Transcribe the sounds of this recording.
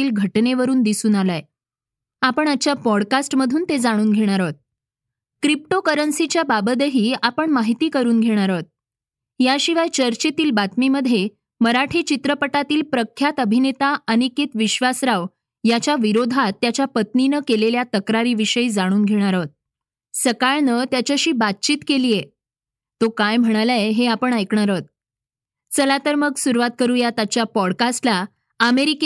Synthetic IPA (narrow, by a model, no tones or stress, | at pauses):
iːlɡʱəʈneʋəɾuːnd̪isuːnalaj | apəɳat͡ɕjapɔɽkasʈməd̪ʱuːnt̪ed͡zaɽ̃uːnɡʱeɽ̃aɾət̪̚ | kɾip̚ʈokəɾənsit͡ɕjababəd̪əɦiːapəɳmaɦit̪iːkəɾuːnɡʱeɽ̃aɾət̪̚ | jaɕiʋajt͡ɕəɾt͡ɕet̪iːlbat̪miməd̪ʱje | məɾaʈʰit͡ɕit̪ɾəpəʈat̪iːlpɾəkʰjat̪əbʱinet̪aəñiket̪ʋiɕʋasɾaʋ | jat͡ɕaʋiɾod̪ʱat̪ːjat͡ɕjapət̪ninəkeleljat̪əkɾaɾiːʋiɕəjd͡zaɽ̃uːnɡʱeɽ̃aɾət̪̚ | səkaɭnət̪jat͡ɕaɕiːbat̪̚t͡ɕiːt̪keliːje | t̪okajm̤əɽ̃alaeɦeapəɳajkɳ̃aɾət̪̚ | t͡səlat̪əɾməɡsuɾʋat̪̚kəɾuːjat̪at͡ɕjapɔɽkasʈla | əmeɾik